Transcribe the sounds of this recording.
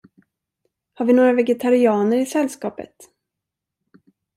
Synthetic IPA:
haɾvɪnoːɾavɛɡɛt̪ʰaɾɪɑːnəɾɪsɛlskɑːpə̰t̪

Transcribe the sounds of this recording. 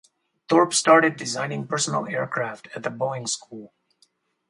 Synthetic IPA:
t̪ɔɹpsʈɑːɹʈɪd̚ːɪzãɪ̃nɪ̃ŋpəɹsənə̰leːɹkʰɾæfʈʰæt̪̚ðəbɔɪ̃ŋskʰulˠ

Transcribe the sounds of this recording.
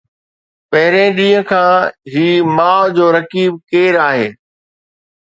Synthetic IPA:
pɐɦɪɾẽɗĩːə̃kʰãːɦiːmaːʋd͡ʑoːɾɐkiːb̚keːɾaːɦeː

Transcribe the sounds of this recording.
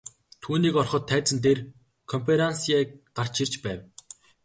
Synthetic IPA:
t̪ʰuːniːkɔrχɞ̆t̪ʰːæːt͡sə̆nt̪er | kʰɔmpʰeɾansieːɢar̥t͡ɕʰir̥t͡ɕpæːw

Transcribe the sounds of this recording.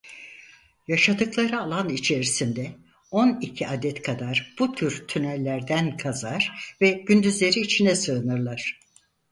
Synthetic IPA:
jaʃad̪ɯklˠaɾɯalˠanit͡ʃʰe̞ɾisind̪ɛ | o̞nicʰiad̪ɛt̪kʰad̪aɾb̥ut̪ʰyɾt̪ʰynælʲːæɾd̪ænkʰazaɾ̥vɛɟ̥ynd̪yzlʲe̞ɾiːt͡ʃʰinɛsɯnɯɾlˠaɾ̥

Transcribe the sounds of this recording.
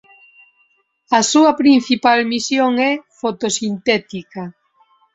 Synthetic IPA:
ɐsuɐpɾin̟θipalmisjoŋɛfot̪osint̪ɛt̪ika

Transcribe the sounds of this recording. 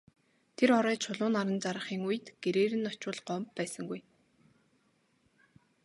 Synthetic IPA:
t̪ʰeɾɔɾœːt͡ɕʰʊɮʊːnaɾə̆nt͡saɾə̆χiːŋuj̆t̪ɡ̥eɾeːɾɘ̆nːɔt͡ɕʊːɮɢɔmpːæːsə̆ŋɡuj

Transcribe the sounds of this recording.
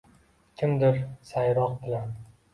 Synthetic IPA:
kʲʰɪmd̪ɪɾsajɾɒq̚bɪlan

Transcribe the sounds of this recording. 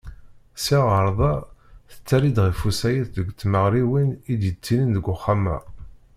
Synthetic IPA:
siʁəɾˤðˤɑθə̥t͡sːæɾid̪ʁifusæjəθðəɡʷt͡sːməʁɾiwinid̪jət͡sːininðəɡʊχːamæ̰

